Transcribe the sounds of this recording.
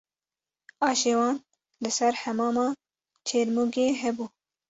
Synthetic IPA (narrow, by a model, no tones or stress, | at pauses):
ɑːʃeːwɑːn | lɨsæɾhæmɑːmɑː | t͡ʃʰeːɾmuːɡeːɦɛbuː